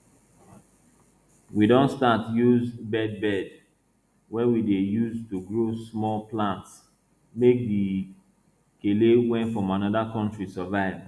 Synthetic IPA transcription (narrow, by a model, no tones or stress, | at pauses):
widõntstatjuzbɛd̚bɛd | wɛwidejustuɡɹosmɔlplãnts | mek̚di | kelewɛ̃nfɹɔ̃manɔðakɔ̃ntɹisɔvaɪv